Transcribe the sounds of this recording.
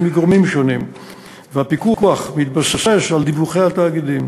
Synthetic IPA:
miɡʁomimʃonim | veapikukuaχmit̪̚basaseʃald̪ibuχejhat̪aːɡid̪im

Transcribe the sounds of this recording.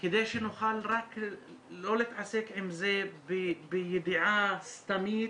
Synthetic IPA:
kɪd̪eːʃʔɪnːʊxaːlɾˤɑk | loːlɪt̪ʕaseːkʕɪmzeːbɪbɪjɪd̪ɪʕaːst̪amiː

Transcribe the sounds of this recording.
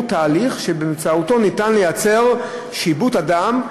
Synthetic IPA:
t̪aːliχʃebemt͡sauto̞nitanlejat͡se̞ʁ | ʃibutadam

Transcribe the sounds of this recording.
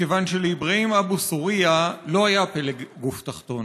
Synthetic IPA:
kevanʃeleibʁeimabusuʁialo̞ajapeleɡɡuft̪aχt̪o̞n

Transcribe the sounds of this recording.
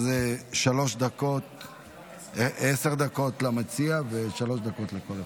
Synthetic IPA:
zeʃalo̞ʃd̪ako̞t̪ | eeseʁd̪ako̞t̪lamat͡siaveʃalo̞ʃd̪ako̞tlekole

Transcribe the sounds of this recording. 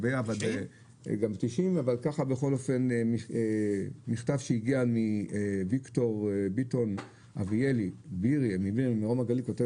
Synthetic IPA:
beavade | ɡamt̪iʃimavalkaχabeχo̞lofe̞ni | miχtavʃeiɡiamivikto̞ʁbito̞n | ʔavielibiʁiemibimiʁo̞maɡalikote

